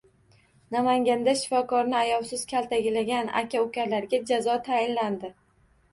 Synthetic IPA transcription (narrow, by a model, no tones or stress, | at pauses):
namaŋɡʲand̪aʃɪ̥fɒkʰɒɾnɪajɒlˠsɪz̥kʲʰalt̪ʰaɡʲɪlaɡʲanʔa̰kʲʰaʊkʲʰaɾlaɾɡʲad͡ʒazɒt̪ʰajɪnland̪ɪ